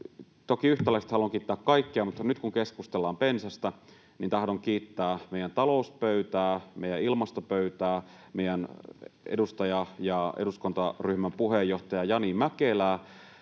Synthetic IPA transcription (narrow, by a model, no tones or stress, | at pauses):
t̪okiyht̪ælˑæˑkst̪ɑluoŋkiːt̪ːæːkkɑikːeɑmut̪ːɑnyt̪kuŋkeskust̪elːɑːmpensæst̪æ | nint̪ɑhdoŋkiːt̪ːæːmeˑijænt̪ɑlouspøyt̪æːmḛijæilmɑst̪opøyt̪æː | meˑijænḛdust̪ɑjɑjɑeduskont̪ɑryhmæmpuhejːoht̪ɑjɑjɑnimækelæː